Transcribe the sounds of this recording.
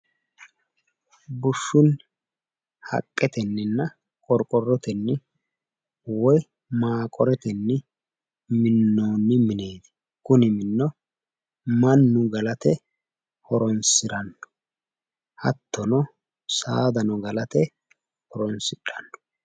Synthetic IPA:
bʊʃːʊn | hɐ̰kʼːɛt̪ɛnːɪnːɐ | kʼɔɾkʼɔrːɔt̪ɛnːɪ | wɔj | maːkʼɔɾɛt̪ɛnːɪ | mɪnːoːnːɪmɪne̞ːd̪ɪ̥ | kʊnɪmɪnːɔ | mɐnːʊɡɐlɐt̪ɛ | hɔɾɔnsɪɾɐnːɔ̥ | hɐ̰t̪ːɔnɔ | saːd̪ɐnɔɡɐlɐt̪ɛ | hɔɾɔnsɪᶑɐnːɔ̥

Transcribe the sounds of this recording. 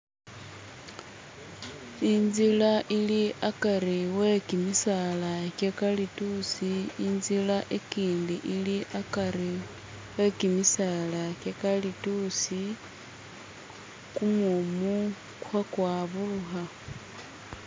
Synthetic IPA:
inzilaʔiliʔakaɾiwe̞kimisalakekalitusiinzilaʔekiːndiʔiliʔakaɾi | we̞kimisalakekalitusi | kumumu | kwakwaːβuluxa

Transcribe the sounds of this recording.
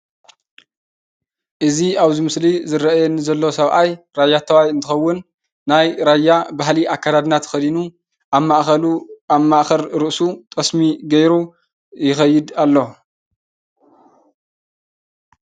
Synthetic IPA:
ʔɨziaβzimɨslizɨɾɐʔajɛnɨzɐlːo̞sɐβʔaj | ɾajːat̪ʰɐwajɨnt̪ʰɨxɐwːʊnː | ajɾajːabahliʔakʰːad̪ad̪nat̪xɐd̪inu | maʔɐmaʔxɐɾɾɨʔsut̪ʼɐsmiɡɐjɾu | jɪxɐjːɪd̪alːo̞

